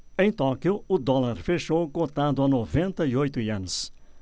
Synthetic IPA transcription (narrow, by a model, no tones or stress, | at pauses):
ẽj̃t̪ɔkjʊʊd̪ɔlaɾfeʃowkot̪ad̪ʊanovẽnt̪ɐiojt̪ʊiɐ̃nʊs